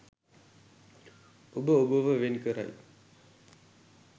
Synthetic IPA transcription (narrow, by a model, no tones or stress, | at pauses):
ubəubəʋəʋenkəɾa̰j